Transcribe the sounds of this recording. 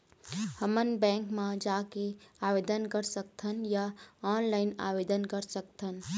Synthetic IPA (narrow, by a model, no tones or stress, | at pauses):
həmənbɛ̃ːŋkmãd͡ʒaːkeaːʋeːd̪ənkəɾsək̚t̪ʰənjaaːnlaːɪna̰ːʋeːd̪ənkəɾsəkt̪ʰən